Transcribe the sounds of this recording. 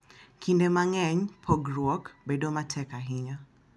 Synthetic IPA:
kʰindɛmaŋɛɲpʰɔɡɾwɔkbɛdomatʰɛkaɦiɲɔ

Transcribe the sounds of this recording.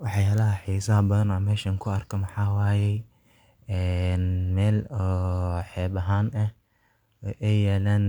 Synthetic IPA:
wɑħjaːlɐɦɐħisaːbɐðɐnɔmɛːʃɐŋkʰʊɐrkʰɐmɐħaːwaːjɛj | ɛːnmɛːlɔːħɛːbɐɦaːnʔɐh | ʔɛjɛːlaːn

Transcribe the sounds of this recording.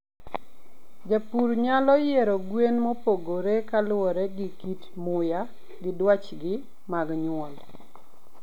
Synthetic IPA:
d͡ʒapuɾɲalɔjeɾɔɡwenmopoɡoɾekalwɔɾeɡɪkit | mʊja | ɡɪdwat͡ʃɡɪ | maɡɲʊɔl

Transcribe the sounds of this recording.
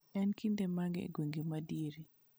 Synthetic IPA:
ɛnkindemaŋɡḛɡweŋɡemadiɾi

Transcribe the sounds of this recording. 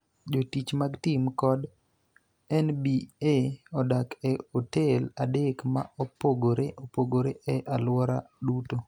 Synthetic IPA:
d͡ʒotit͡ʃmaɡtimkɔd | ɛnbieɔdakɛoteladekma̰ɔpoɡoɾeʔopoɡoɾeʔɛʔalwɔɾa̰duto

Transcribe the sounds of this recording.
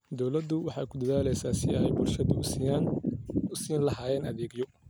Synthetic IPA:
d̪ɔwlɐd̪ːʊwɑħɑːkʰʊd̪ɐðaːlɛjsaːsɪjɐɦɛjbʊrʃɐd̪ʊsɪjaːnʊsiːnlɐɦaːjɛːnɐðɛːɡjɔ

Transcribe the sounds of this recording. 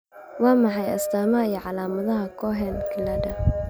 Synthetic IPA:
wɑːmɑħɑjɐ̰st̪ʰaːmɐijɔʕɑlaːmɐðɐɦɐkʰɔɦɛnkʰɪlaːɖɐ

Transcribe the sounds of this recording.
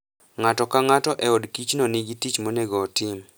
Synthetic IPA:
ŋatɔkaŋatɔʔɛɔdkit͡ʃnonɪɡitit͡ʃmoneɡɔːtɪm

